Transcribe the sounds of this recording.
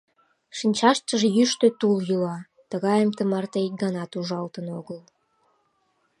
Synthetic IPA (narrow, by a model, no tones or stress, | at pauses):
ʃinʲt͡ɕɑʃt̪əʒejyʃt̪øt̪uljylɑ | t̪əɣɑjəmt̪əmɑrt̪ej̪ɡənɑt̪uʒɑlt̪ənoɣəl